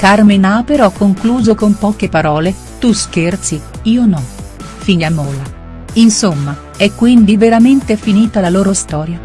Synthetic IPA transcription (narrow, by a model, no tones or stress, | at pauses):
karmenapeɾɔkːoŋkluːzokompɔːkepaɾɔːle | t̪usk̟ert̪siiːonɔ | fiʎːamɔːla | insomːa | ɛkːwind̪iveɾament̪efiniːt̪alaloːɾost̪ɔːɾja